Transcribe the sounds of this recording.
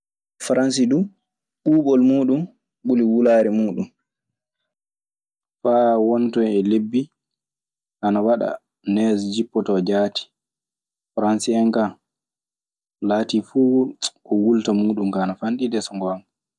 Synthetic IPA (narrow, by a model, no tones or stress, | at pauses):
fɾans̬idu | ɓuːɓɔlmuːɗum | ɓuliwulaːɾɛmuːɗum | fawɔntɔnɛlebːi | ʔanawaɗa̰ | nɛsd͡ʒipːɔtɔd͡ʒaːti̥ | fɾansiɛnka | laːtifuːɔwultamuːɗumkanafanɗidɛsɔŋɡɔam